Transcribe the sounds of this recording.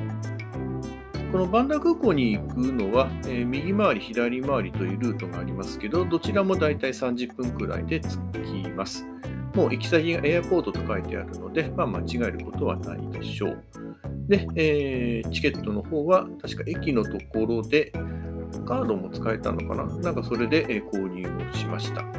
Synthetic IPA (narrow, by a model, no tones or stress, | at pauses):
ko̞no̞bãnd̪akɯ̟ːko̞ːɲ̟iːkɯ̟no̞βaeːmʲiɡʲimaβaɾʲiçid̪aɾʲimaβaɾʲit̪o̞ɯɾɯ̟ːt̪o̞ɡaːɾʲimasɨ̥ke̞d̪o̞d̪o̞t͡ɕiɾamo̞d̪ait̪aisãɲ̟d͡ʑɨpːɯ̟̃ŋkɯ̟ɾa̰ḭd̪e̞t͡sɨ̥kʲimasɨ̥ | mo̞ːʔikʲi̥saɡʲiɡaʔe̞apo̞ːd̪o̞t̪o̞kait̪e̞̰a̰ɾɯ̟no̞d̪e̞maːmat͡ɕiɡae̞ɾɯ̟ko̞t̪o̞βa̰na̰ḭd̪e̞̰ɕo̞̰ː | d̪e̞eːt͡ɕi̥ke̞t̪ːo̞no̞ho̞ːβat̪aɕi̥kaʔe̞kʲino̞t̪o̞ko̞ɾo̞d̪e̞ | kaːd̪o̞mo̞t͡sɨ̥kae̞t̪a̰nːo̞ka̰na̰nãŋkaso̞ɾe̞d̪e̞ʔeːko̞ːɲʲɯːo̞̰ɕimaɕi̥t̪a